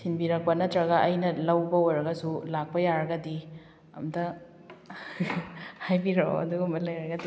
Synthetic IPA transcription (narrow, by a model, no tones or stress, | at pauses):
sʰinbiɾɐk̚pɐnɐtɾɐɡɐːjnɐlɐwbɐoɾɐɡɐsulak̚pɐjaɾɐɡɐdi | ɐ̰mtɐ | hajbiɾoɐ̰duɡɐmɐlɐjɾɐɡɐdi